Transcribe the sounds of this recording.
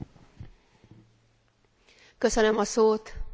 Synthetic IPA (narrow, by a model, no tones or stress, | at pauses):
kø̞sønømɒsoːt̪